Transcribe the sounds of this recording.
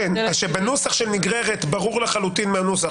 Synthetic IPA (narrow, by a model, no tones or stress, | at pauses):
naʃebenusaχʃeniɡʁeʁet̪baʁuʁleχalut̪inmeanusaχ